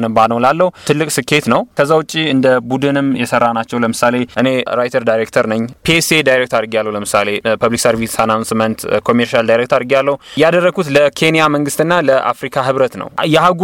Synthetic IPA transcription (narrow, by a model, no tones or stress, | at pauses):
nɨbanəwlalːəhut̪ʰɨlːɨkʼsɨkʰːe̞t̪nəwkʰəzːawʊt͡ʃʼːiɨnd̪əbud̪ɨnɨmjɛsərːanat͡ʃːɛwləmɨsale̞ʔɨne̞ɾajt̪ʰəɾd̪ajɾek̚t̪ʰəɾnəɲːpʰesed̪ajɾek̚t̪ʰaɾɡijalːəwuləmɨsale̞pəβliksəɾvisanansmənt̪kʰo̞mːeɾʃald̪ajɾek̚t̪əɾaɾɡjalːəhujad̪ərːəɡut̪ləkʰe̞nijaməŋɡɨst̪ɨnːaləʔa̰fɾikʰaɦɨβɾət̪nə̰wjɛhaɡ